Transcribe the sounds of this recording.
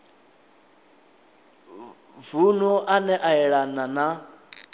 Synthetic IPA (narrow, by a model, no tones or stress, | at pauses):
vunɔʔanɛʔaɛɺanana